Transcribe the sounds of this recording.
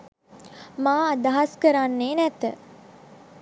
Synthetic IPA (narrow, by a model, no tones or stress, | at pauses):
maːad̪aɦaskəɾanːeːnɛt̪ə